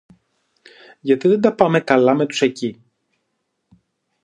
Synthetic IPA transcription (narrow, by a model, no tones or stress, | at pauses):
ʝɐt̪iðend̪ɐpɐme̞kɐlɐme̞t̪u̥se̞ci